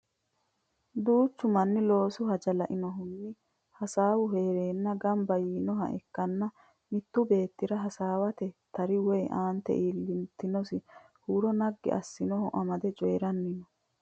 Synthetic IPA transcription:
d̪uːt͡ʃːʊmɐnːɪlo̞ːsʊhɐd͡ʒɐlɐ̰ʔɪnɔɦʊnːɪ | hɐsaːwʊɦe̞ːɾe̞ːnːɐɡɐmbɐjiːnɔɦɐ̰ʔɛ̰kːɐnːɐ | mɪt̪ːʊbe̞ːt̪ːɪɾɐɦɐsaːwɐt̪ɛt̪ɐɾɪwɔjʔaːnt̪ɛ̰ʔiːlːɪnt̪ɪnɔsɪ | huːɾɔnɐɡːɪ̰ʔɐ̰sːɪnɔhʊʔɐmɐd̪ɛt͡ʃʼɔjɛɾɐnːɪnɔ

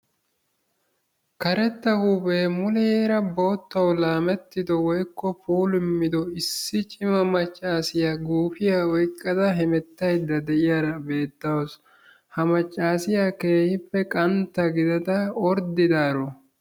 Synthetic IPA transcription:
kɐɾɛt̪ːɐhubemʊlɛjeːɾɐboːt̪ːɐwlaːmɛt̪ːɪd̪ɔwɔjkːɔpuːlɪmːɪd̪ɔɪsːɪt͡ʃʼɪmɐmɐt͡ʃʼːaːsɪjaɡuːfɪjaɔjkʼːɐd̪ɐɦɛmɛt̪ːɐjd̪ːɐd̪ɛʔɪjaɾɐbe̞ːt̪ːɐwɔs | hɐmɐt͡ʃʼːaːsɪjake̞ːhɪpːɛkʼɐnt̪ːɐɡɪd̪ɐd̪ɐɔɾd̪ɪd̪aːɾɔ

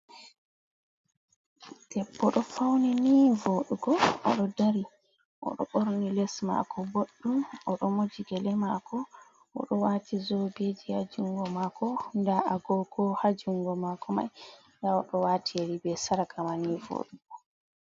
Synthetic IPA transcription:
d̥ɛbːɔɗɔfawninivoɗuɡɔɔ̰ɗɔdaɾi | ʔɔ̰ɗɔ̰ɓoɾnilɛsma̰kʰɔboɗːuɔɗɔmod͡ʒiɡɛlɛmakɔ | ʔɔ̰ɗɔwatizobed͡ʒiha̰d͡ʒuŋɡɔmakɔndaʔaɡɔɡɔhad͡ʒuŋɡɔmakʰɔma̰jndaɔɗɔwaːtʰieɾibɛsaɾakʰamanivo̰ɗuɡɔ

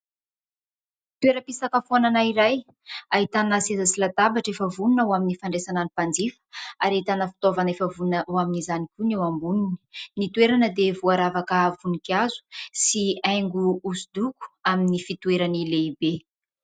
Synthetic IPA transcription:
t̪uweɾəpisakəfoananaiɾaj | aɦit̪anasezasilat̪abaʈ͡ʂefəvununawaminifaɳɖ͡ʐesananipand͡zifə̥aɾait̪anəfi̥t̪ovanefəvunəwaminizanikʲunewambunini̥nit̪ueɾanəd̪evuaɾavakəvunikiazu̥siajŋɡuːsud̪uku̥aminifit̪uweɾanileibe

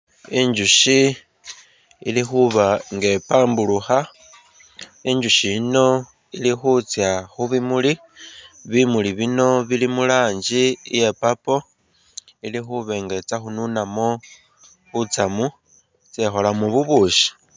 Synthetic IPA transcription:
iɲd͡ʒuʃi | ḭlixuβaŋɡe̞paːmbuluxa | iɲd͡ʒuʃino̞ | ilixut͡sjaxuβimuli | βimuliβino̞βilimulaːɲd͡ʒije̞papo̞ | ilixuβe̞ŋɡe̞t͡saxununamo | βut͡samu | t͡sexolamuβuβuːʃi̥

